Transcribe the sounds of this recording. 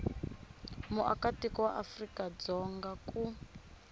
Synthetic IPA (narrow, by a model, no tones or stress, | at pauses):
muʔa̰katikɔwaʔafrikad͡zɔŋɡaku